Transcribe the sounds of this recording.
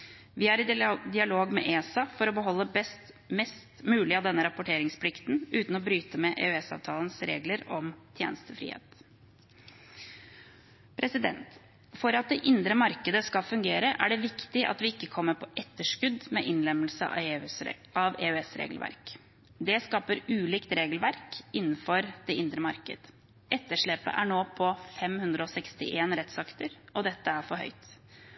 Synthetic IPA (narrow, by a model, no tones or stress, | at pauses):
ʋɪæɾɪd̪ɪɑloːɡmɛ̰ʔeːsɑfɔɾɔbəɦɔlːəbɛst̪ | mɛst̪mʉːlɪɑʋd̪ɛnːəɾɑpʊʈʰeːɾɪŋspʰlɪkt̪n̩ʉːt̪n̩ɔbɾyːt̪əmɛʔḛːœɛsɑ̰ːʋt̪ʰɑːlənsɾḛːɡləɾɔmt̪ʰjḛːnəst̪əfɾḭːhḛːt̪ | pʰɾɛsɪd̪ɛ̰nt̪ | fɔɾɑt̪̚d̪ɛʔɪnd̪ɾəmɑɾkəd̪əskɑlfʉŋɡeːɾəʔæ̰ɖɛʋɪkt̪ɪʔɑ̰t̪ʋɪɪkːəkʰɔmːəɾpʰɔʔɛt̪ːəʂkʉd̪mɛʔɪnlɛmːəlsə̰ɑ̰ | ɑʋeːʉɛsɾḛːɡəl̩ʋæ̰ɾk | d̪ɛskɑːpəɾʉːliːkt̪ɾeːɡlʋæɾkɪnːn̩fɔɾd̪̥ɛɪnd̪ɾəmɑɾkə̰d̪̥ | ɛt̪ːəʂɭɛːpə̰ʔæɳoːpʰɔfɛmhʉnd̪ɾəɔsɛkst̪ɪ̰ʔeːnɾɛt̪sɑkt̪əɾɔd̪ɛt̪ːəæɾfɔɾɦœ̰ʏt̪